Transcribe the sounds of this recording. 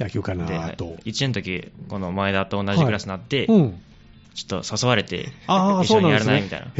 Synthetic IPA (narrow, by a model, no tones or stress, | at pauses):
akʲokand̪eha̰oit͡ɕient̪o̞kʲiko̞no̞maed̪at̪oːnːaʑikɯɾasɨnat̪ːẽ̞ | t͡ɕo̥t̪ːo̞̰sosoβaɾe̞t̪e̞̰aioonjaɾɯnaimʲit̪a̰ḭna̰